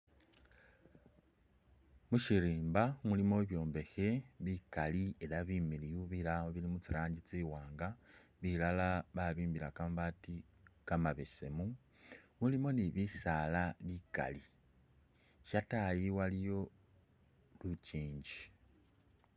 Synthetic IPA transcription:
muʃiɾiːmbamulimo̞βjo̞ːmbe̞xe̞βikalie̞laβimiɾijuβilaoβilimut͡siɾaːɲɟit͡siːwaːŋɡaβilalaβaβiːmbiɾakambati | kamaβese̞̰mu | mulimo̞niβisalaβika̰li | ʃatajiwalijo̞ | luciːɲɟi̥

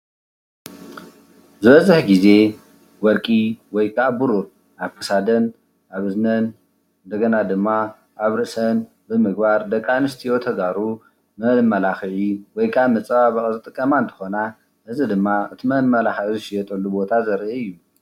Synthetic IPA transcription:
zɨβɐzɨħɡize̞ | wɔɾkʼiwɔjkʰabuɾuɾ | ʔaβkʰɐ̥sad̪ɐn | ʔaβɨznɐn | ɨnd̪ɐɡɐnad̪ɨmːa | ʔaβɾɨʔsɐn | bɨmɨɡbaɾd̪ɐkʼːanɨst̪ʰijot̪ʰɐɡaɾu | mɐlɨmːɐlaxʕiwɔjkʰaβmɐt͡sʼɐβaβɐχʼzɨt̪ʼɨkʼːɐmant̪ʰɨ̥xo̞na | ʔɨzɨd̪ɨmːaɨt̪ʰimɐlmɐlaxʕizɨʃɪjɛt̪ʼɐlːubo̞t̪ʰazɐɾʔiɨjːu

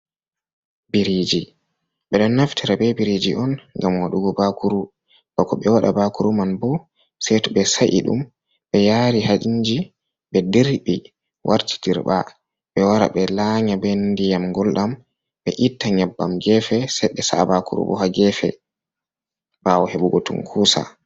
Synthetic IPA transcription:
biɾid͡ʒi | ɓɛɗɔnːaftʰiɾabɛbiɾid͡ʒiʔɔnŋɡamwaɗuɡɔbakuɾu | b̥akɔɓɛwaɗabakuɾumanbɔ | sɛtuɓɛsaʔḭɗṵm | ɓɛjaɾihad͡ʒiɲd͡ʒi | ɓɛdiɾbi | wʔaɾtʰi̥diɾba | ɓɛwaɾa̰ɓɛlaɲabɛndijamɡɔlɗam | ɓɛʔitːaɲɛbːa̰mɡɛfɛsɛɓɛsabakṵɾṵbɔ̰ɦaɡɛfɛ̰ | bawɔheɓuɡotṵnkʰuːsa̰

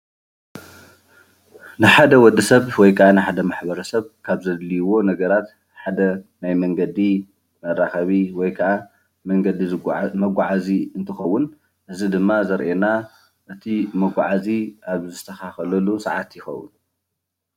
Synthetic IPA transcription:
nɨħad̪ɐwɔd̪ɨsɐβwɔjkʰɐʔanɨħad̪ɐmaħbɐɾɐsɐβkʰaβzɐd̪lijwo̞nɐɡɐɾat̪ | ħad̪ɐnajmɐŋɡɐd̪i | mɐrːaxɐβiwɔjkʰɐʔa | mɐŋɡɐd̪imɐɡʷaʕaziɨnt̪ʰɨxɐwːʊn | ʔɨzid̪ɨmːazɐɾʔena | ʔɨt̪ʰimɐɡʷʕaziaβzɨt̪ʰːɐxaxɐlɐlːusɐʕat̪jɪxɐ̰wːʊ̰n

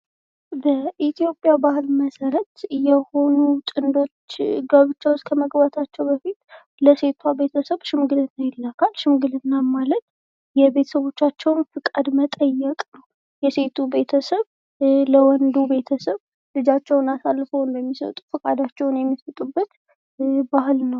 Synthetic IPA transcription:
bəʔit̪ʰjo̞pʼjabahɨlməsəɾət̪jɛho̞nut̪ʼɨnd̪o̞t͡ʃːɡəβɨt͡ʃːawskʰəməɡbat̪ʰat͡ʃːɛwbəfit̪ | ləse̞t̪ʰwabe̞t̪ʰəsəβʃɨmɡɨlɨnːajɪlːakʰalʃɪmɡɨlɨnːamalət̪̚ | jɛbe̞t̪ʰə̥səβo̞t͡ʃːat͡ʃːɛwnfɨkʼəd̪mət̪ʼəjːɛkʼnəw | jɛse̞t̪ʰube̞t̪ʰəsəβ | ləwɔnd̪ube̞t̪ʰəsəβ | lɨd͡ʒat͡ʃːɛwnasalːfəwɨnb̪əmːisə̰t̪ʼufɨkʼad̪at͡ʃːɛwʊnjɛmːisət̪ʼubːət̪ | bahɨlnəw

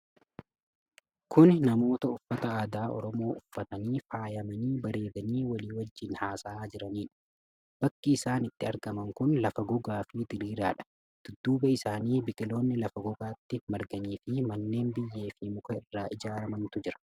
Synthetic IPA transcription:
kʰʊnnɐmo̞ːt̪ɐʊfːɐt̪ɐaːd̪aːʔɔ̰ɾɔmo̞ːʔʊfːɐt̪ɐniːfaːjɐmɐniːbɐɾe̞ːd̪ɐniːwɐliːwɐd͡ʒːɪnhaːsaːd͡ʒɪɾɐniːᶑɐ̥ | b̥ɐkːiːsaːnɪt̪ːɪɐɾɡɐmɐŋkʊnlɐfɐɡʊɡaːfɪd̪ɪɾiːɾaːᶑɐ̥ | d̪̥ʊd̪ːuːbɐɪsaːniːbɪkʼɪlo̞ːnːɪlɐfɐɡʊɡaːt̪ːɪmɐɾɡɐniːfɪmɐnːe̞ːnbɪjːe̞ːfɪmʊkɐɪrːaːʔɪd͡ʒaːɾɐmɐnt̪ʊd͡ʒɪɾɐ̥

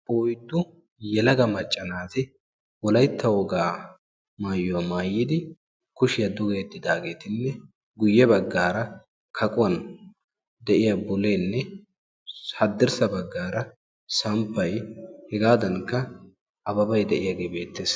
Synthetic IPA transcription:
ʔoːjd̪ːʊ | jɛlɐɡɐmɐt͡ʃʼːɐnaːt̪ɪ | wɔlɐjt̪ʰːɐwɔɡaː | maːjːʊwɐmaːjːɪd̪ɪ | kʊʃɪjɐd̪ʊɡeːd̪ːɪd̪aːɡe̞ːt̪ɪnːɛ | ɡʊjːɛbɐɡːaːɾɐ | kʰɐkʼʊwɐn | d̪ɛʔɪjɐbʊleːnːɛ | hɐd̪ːɪɾsɐbɐɡːaːɾɐ | sɐmpːɐjhɛɡaːd̪ɐŋkːɐ | ɐbɐbɐjd̪ɛʔɪjaɡeːbe̞ːt̪ːeːs

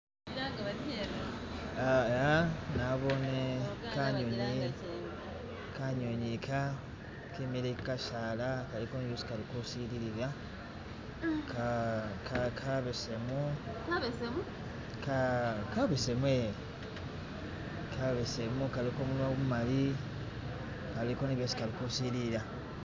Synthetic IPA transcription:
aɡ | aanaβo̞nekaɲoɲi | kaɲoɲikʰa | kemiɾekikaʃaːlakalikousi̥kalikosiɾiɾiɾa | kakakʰaβesemu | kakaβesemwe | kʰaβesemukalikoːmulwawmumali | kalikoneβjosi̥kalikusiliɾa

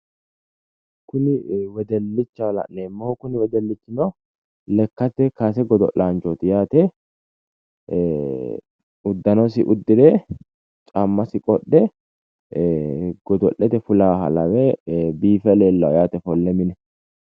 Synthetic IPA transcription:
kʊnɪwɛd̪ɛlːɪt͡ʃːɐwlɐ̰nneːmːɔhɔkʊnɪwɛd̪ɛlːɪt͡ʃːɪno | lɛkːɐt̪ːɛkasɛɡɔd̪ɔ̰ʔlaːnt͡ʃoːt̪ɪjaːt̪ɛ | ʊd̪ːɐnɔsɪ̰ʔʊd̪ːɪd̪ɛ | t͡ʃʼɐmːɐsɪkʼɔɗːɛ | ɡ̥ɔd̪ɔʔːɛt̪ɛfʊlaɦɐ̰lɐwɛbiːfɛleːlːɐwjaːt̪ɛfɔlːɛmɪnɛ

